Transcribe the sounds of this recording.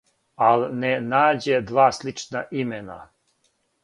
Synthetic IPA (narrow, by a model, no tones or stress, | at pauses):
alnenaːd͡ʑed̪ʋaːslit͡ʃnaʔimena̰